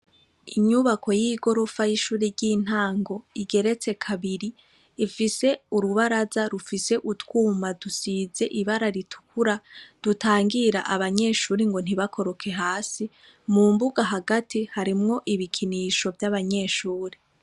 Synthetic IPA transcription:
iɲuβakʰo̞jiɡo̞ɾo̞fajiʃuːɾeɾɟiːn̥aːŋɡo̞iɡe̞ɾe̞t͡se̞kʰaβiɾiː | fise̞uɾuβaɾazaɾufise̞ʔutwuːmadusiːze̞ʔiβaɾaɾitʰu̥kʰuɾad̥utaːŋɡiɾaʔaβaɲe̞ːʃuːɾiŋɡo̞n̥iβakʰo̞ɾo̞kʰe̞ɦaːsi | muːmbuɡaɦaɡatihaɾimŋo̞ʔiβikʰiniːʃo̞vjaβaɲe̞ːʃuːɾi

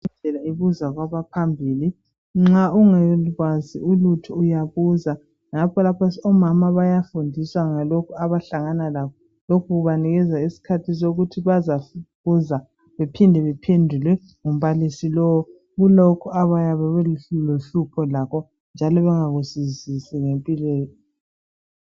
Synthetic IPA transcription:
nʱɛlaiβuzaɣwaβapʰambʱiːli | ŋ͡ǁauŋɛɣwaziulutʰuujaβuza | ŋapʰɔlapʰasɔmamaβajafundʱiswaŋalokʰuaβaɬaŋanalakɔ | lokʰuɣuβaniɣɛzaisi̥kʰatʰis̬oɣutʰiβazaβuza | βepʰindʱɛβɛpʰendʱulwɛ | ŋum̩βalisilɔwɔ | ɣulokʰuaβajaβɛɣɛloɬupʰɔlakɔ | nd͡ʒʱalɔβɛŋaɣusizisiŋempʼilɛːjɔ

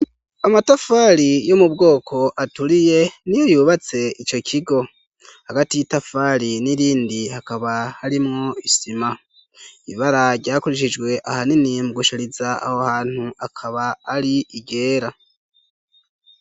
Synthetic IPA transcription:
amatafaːɾijo̞mubɡo̞ːkʰo̞ʔatuɾije̞nijojuːβat͡se̞it͡ʃo̞cʰiɡo̞ | haɡatijitafaːɾiniɾiːndihakaβahaɾimŋoisima | iβaɾaɾɟaːkuɾiʃ̬id͡ʒɡwe̞ʔahaninimuɡuʃiɾizaa̰hohaːn̥huʔakʰaβaːɾiiɡe̞ːɾa

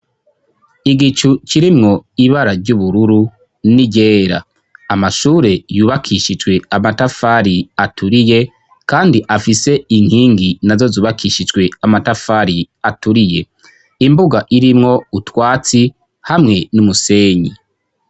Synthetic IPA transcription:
iɡit͡ʃut͡ʃiɾimŋo̞iβaɾaɾɟuβuɾuɾu | niɟe̞ːɾa̰ː | maʃuːɾe̞juːβakʰiːʃid͡ʒɡwe̞amatafaɾiatʰuɾije̞ | kaːndiʔafise̞iŋ̥hiːŋɡinazo̞zuːβakʰiːʃid͡ʒɡwe̞amatafaɾi | atuɾije̞ | imbuɡaʔiɾimŋo̞utwaːt͡si | hamŋe̞numuse̞ːɲi

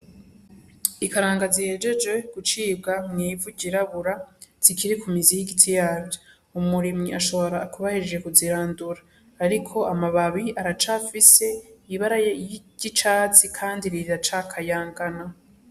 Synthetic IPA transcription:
ikaɾaːŋɡazihe̞ːd͡ʒe̞d͡ʒwe̞ɡ̥ut͡ʃiːbɡamŋiːvuɟiɾaβuɾaz̥ikiɾikumizijiɡitʰijaːbjo | umuɾimŋiʔaʃo̞βo̞ɾaːkuβahiɾd͡ʒe̞kuziɾaːnduɾaː | ɾikʰo̞amaβaβiaɾat͡ʃafise̞iβaɾajejɟ̥it͡ʃaːt͡sikʰaːndiɾiɾat͡ʃakʰajaːŋɡana

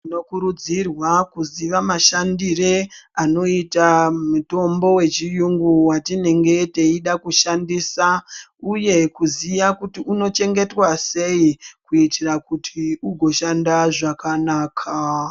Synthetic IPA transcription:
ino̞kuɾud͡zirwakuziʋamaʃandireano̞itamuto̞mbo̞we̞t͡ʃijuŋɡuwatine̞ŋɡe̞te̞iɗakuʃandisauje̞kuziʋakutiuno̞t͡ʃe̞ŋɡe̞twase̞ikuitirakutʰiuɡʱo̞ʃandaʐakanaːkʰa

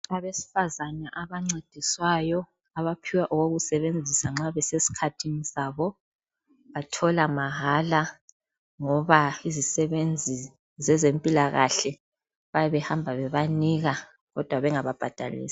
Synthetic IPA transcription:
aβesi̥fazanaʔaβaŋ͡ǀed̥ʱiswaːjɔ | aβapʰiwaʔɔɣoɣusɛβend͡zʱisaŋ͡ǁaβɛsesi̥kʰatʰinisaːβɔ | βatʰɔlamaɦala | ŋɔβaizisɛβend͡zʱi | zɛzempʼilaɣaɬɛ | βajaβɛhambʱaβɛβaniɣa | ɣɔd̥ʱwaβɛŋaβab̥ʱad̥ʱa̰lḭːsḁ

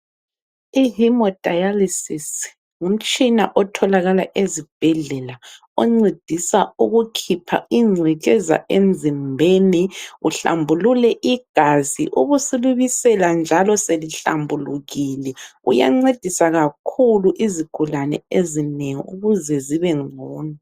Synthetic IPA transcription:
iɦimɔd̥ʱajalisis | ŋum̩t͡ʃʼina̰ʔɔtʰɔlaɣalaʔezib̥ʱɛɮɛla | ɔŋ͡ǀed̥ʱisauɣukʰipʰa̰iŋ͡ǀʱɛkʼɛza̰ʔend͡zʱimbʱeniuɬa̰mbʱululɛʔiɡ̥ʱazḭʔuɣusuluβisɛland͡ʒʱalɔseliɬa̰mbʱuluɣilɛṵja̰ŋ͡ǀed̥ʱisaɣakʰuluʔiziɡ̥ʱulanɛ̰ezineŋḭṵɣuzɛziβɛŋ͡ǀʱɔːna

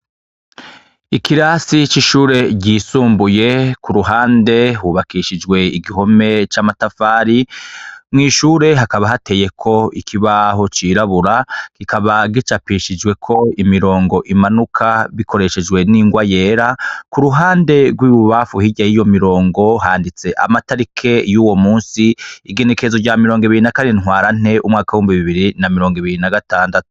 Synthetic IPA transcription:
ikiɾasit͡ʃiʃuːɾe̞ɟiːsuːmbuje̞kuɾuɦaːnde̞ɦuβakiʃid͡ʒɡwe̞iɡiɦo̞me̞t͡ʃaːmatafaːɾi | mŋiːʃuːɾe̞ɦakaβaɦate̞ːje̞kʰo̞ikʰiβaɦo̞t͡ʃiɾaβuɾakikʰaβaɡit͡ʃapiʃid͡ʒwe̞kʰo̞imiɾo̞ːŋɡo̞ʔimanukʰaβikʰo̞ɾe̞ʃe̞d͡ʒwe̞niːŋɡwaje̞ːɾakuɾuɦaːnde̞ɡwiːβuβafuhiɟajijo̞miɾo̞ːŋɡo̞ɦaːndit͡se̞ʔa̰mataɾikʰe̞juːwo̞muːnsiiɡe̞ne̞kezoɟaːmiɾo̞ːŋɡiβiɾinakanenŋwaːɾan̥e̞ʔumŋaːkawuhumbiβiβiɾinamiɾoːŋɡiβiɾinaɡataːndatu̥

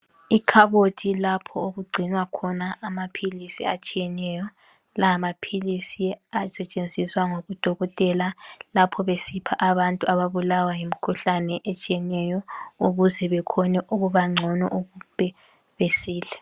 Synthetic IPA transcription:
ikʰaβotʰilapʰɔoɣuɡ͡ǀʱinwakʰɔnaʔːmapʰilisiat͡ʃʼijɛnɛjɔ | laːmapʰilisiasɛt͡ʃʼend͡zʱiswaŋoɣud̥ʱɔɣɔtʼɛlalapʰɔβesipʰaʔaβantʼuaβaβulawajimikʰuɬanɛʔet͡ʃʼiɛnɛjɔuɣuzɛβɛkʰɔnɛʔuɣuβaŋ͡ǀʱɔnɔ̰ʔuɣub̥ʱʼɛ | βesiːlɛ

